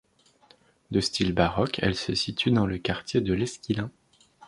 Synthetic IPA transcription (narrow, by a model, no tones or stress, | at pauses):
d̪əst̪ʰilbaʁɔkʰɛ̰lsəsit̪ʰyd̪ɑ̃ləkaʁt̪jed̪əlɛskʲilɛ̃